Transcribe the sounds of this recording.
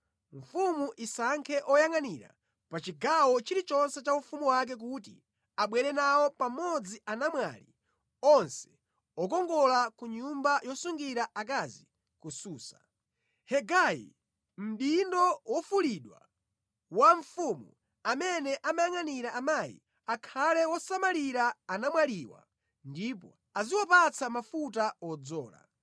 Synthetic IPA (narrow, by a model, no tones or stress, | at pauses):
ɱ̩fumuʔisaŋkʰɛʔɔjaŋaniɾa̰ | pat͡ʃiɡawɔt͡ʃiɾit͡ʃɔnsɛt͡ʃaufumuwak̬ɛk̬utḭ | aɓwɛɾɛnawɔpamɔd͡ziʔanamwa̰li | ɔnsɛ̥ | ɔk̬ɔŋɡɔlakuɲumbajɔsuŋɡiɾaʔakazi | kusuːsḁ | hɛɡajḭ | m̩ɗindɔwʔɔfuliɗwa̰ | waɱ̩fumu | amɛnɛʔamajaŋaniɾaʔamaːjḭ | akʰalɛwɔsamaliɾaːnamwaliwa̰ | ndipɔ̰ | aziwapat͡sʰamafutaɔd͡zɔ̰ːla̰